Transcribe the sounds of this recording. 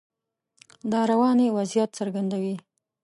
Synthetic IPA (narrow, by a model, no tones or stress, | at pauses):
d̪ɑɾawɑnewazjat̪saɾɡand̪awi